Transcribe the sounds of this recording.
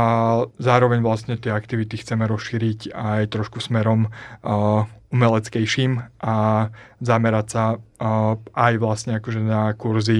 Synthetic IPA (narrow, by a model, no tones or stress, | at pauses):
zaːɾɔʋɛɲʋlast̪ɲɛt̪ɪɛakt̪iʋit̪ixt͡sɛmɛɾɔsʃiːɾicajt̪ɾɔʃkusmɛɾɔm | umɛlɛt͡skɛjʃiːmʔazamɛɾacsa | ʔajʋlasɲɛakɔʒɛnakuɾzi